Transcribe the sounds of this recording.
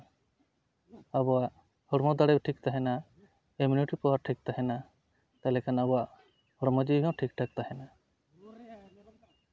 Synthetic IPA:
abɔaʔ | hɔɽmɔd̪aɽɛʈʰikt̪aɦɛna | eminiʈipɔwaɾʈʰik̚t̪aɦɛna | t̪alɛkʰanabɔaʔ | hɔɽmɔd͡ʒibiɦɔ̃ʈʰikʈʰak̚t̪aɦɛna

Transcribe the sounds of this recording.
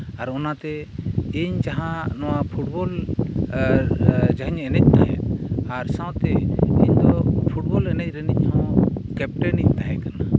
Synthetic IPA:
aɾɔnat̪ɛiɲd͡ʒaɦãnɔwapʰuʈ̚bɔl | d͡ʒaɦiɲɛnɛc̚ˀt̪aɦɛt̪aɾsãwt̪ɛiɲd̪ɔpʰuʈ̚bɔlɛnɛc̚ˀɾɛniɲ̚ˀhɔ̃kɛp̚ʈɛnic̚t̪aɦɛkana

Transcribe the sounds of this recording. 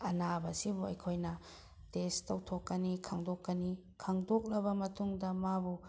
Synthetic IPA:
ɐnabɐsibuɐjkʰojnɐ | testɐwtʰokːɐnikʰaŋdokːɐni | kʰaŋdok̚lɐbɐmɐtʰuŋdɐmabu

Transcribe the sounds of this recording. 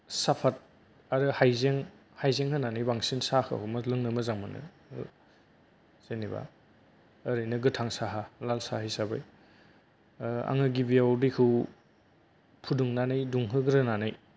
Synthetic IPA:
sapʰat̚ | aɾɯhajzeŋ | hajzeŋhɯnanɯjbaŋsinsahʰɯhumɐlɯŋnɯmɯzaŋmɯnɯ̰ | zeniba̰ː | ɾɯjnɯɡɯtʰaŋsaɦalalsa̰ɦijsaba̰j | a̰ŋɯɡibiawdikʰɯw | pʰuduŋnanɯjduŋɦɯɡɯɾɯnanɯj

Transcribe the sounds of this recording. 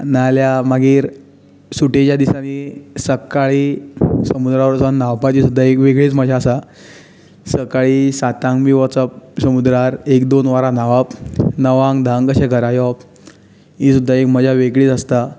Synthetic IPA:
naljamaɡiːɾ | suʈet͡ɕjad̪isanisəkaɭisəmud̪ɾaʋəɾt͡sannaʋpat͡ɕisud̪ʱːaekʋeɡɭiːt͡sməd͡ʑʱaəsa | səkaɭiːsat̪ãŋɡmiʋət͡səp̚səmud̪ɾaɾekd̪onʋaɾanaʋapnəʋãŋɡd̪ʱãŋkəɕeɡʱəɾajɔp | ĩsud̪ʱːaekm̤əd͡ʑʱjaʋeɡɭiːt͡səst̪a

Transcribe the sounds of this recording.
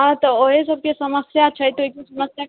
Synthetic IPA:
at̪ɔoɦesəb̚kesəməsjat͡ʃʰəjt̪oik̪isɐməsja

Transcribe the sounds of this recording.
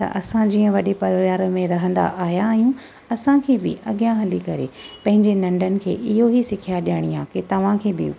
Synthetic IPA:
t̪ɐ̰ʔɐsãd͡ʑĩːə̃ʋɐɗepɐɾjaːɾmẽɾɐɦə̃nd̪a̰ʔaːijaːɦijũ | ɐsãkʰeːbɪ̰ʔɐɠijãɦɐlikɐɾḛpɐ̃ɦɪ̃ɲd͡ʑenɐ̃ɳɖʱənɪ̆kʰḛːʔɪɦoɦisɪkʰijaɗijaəɽ̃iaːket̪ɐʋ̤ãkʰeːbɪ̰

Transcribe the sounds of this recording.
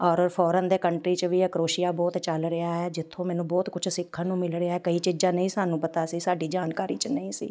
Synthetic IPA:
ɔːɾpʰɔːɾənd̪eːkəɳʈɾiːt͡ʃʋiːəkɾoːʃɪjaːbɔːt̪t͡ʃəlɾɪaːɦɛːd͡ʒɪt̪ʰːõːmɛːnũːbɔːt̪kʊt͡ʃʰsɪkʰːãːnũːmɪlɾɪaːɦɛːkəiːt͡ʃɪd͡ʒaːnəĩːsaːnũːpət̪aːsiːsaːɖiːd͡ʒaːnkaːɾiːt͡ʃnəĩːsḭː

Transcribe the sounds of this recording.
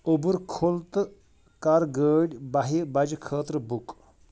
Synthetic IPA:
obuɾkʰolt̪ | kaɾɡəːɽʲbɐɦibɐd͡ʒkʰəːt̪ɾəbuk

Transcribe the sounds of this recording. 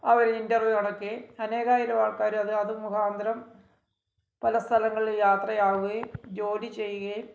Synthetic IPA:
ɐʋɐɾeindɐrʋjuɐɳɐkːeɐne̞ːɣaːjiɾɐʋaːɭkaːɾɐðɨɐðɨmukʰaːnd̪ʱɐɾɐm | pɐlɐst̪ʰɐlɐŋːɐɭiljaːt̪rɐjaːʋuɣɐjumd͡ʑo̞ːlit͡ɕe̞jːuɣɐjum

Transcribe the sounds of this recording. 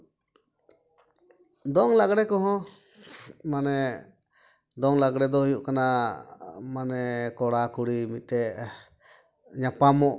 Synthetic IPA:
d̪ɔŋlaɡɾɛkɔɦɔ̃ | manɛ | d̪ɔŋlaɡɽɛd̪ɔhijuʔkana | manɛkɔɽakuɽimit̪̚t̪ɛ | ɲapamɔʔ

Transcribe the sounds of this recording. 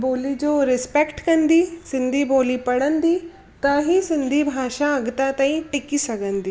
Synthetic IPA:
boːlid͡ʑoːɾɪspekʈkɐnd̪isɪ̃nd̪ʱiboːlipɐɽənd̪i | t̪ɐɦisɪ̃nd̪ʱibʱaːʃãɐɡt̪at̪ãːĩʈɪkisɐɡʱənd̪iː

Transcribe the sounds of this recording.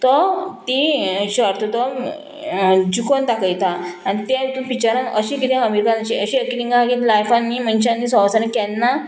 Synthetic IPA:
t̪ɔt̪iɕəɾt̪ut̪əm | d͡ʑukont̪akəjt̪aañit̪ait̪umpit͡ɕaɾanəɕĩkit̪ʰẽəmiɾkanəɕiəɕiekiɾiŋɡaaɡiːt̪lajfanːiːmənɕãnːisɔʋsanə̃kɛnːa

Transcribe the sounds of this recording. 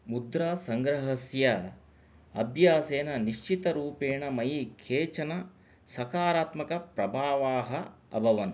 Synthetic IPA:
mud̪ɾaːsɐŋɡɾɐɦɐsjɐ | ɐbʱjaːseːnɐniʃt͡ʃit̪ɐɾuːpeːɳɐmɐjikʰeːt͡ʃɐnɐ | sɐkaːɾaːt̪mɐkɐpɾɐbʱaːʋaːɦɐ | ɐ̰bʱɐʋɐn

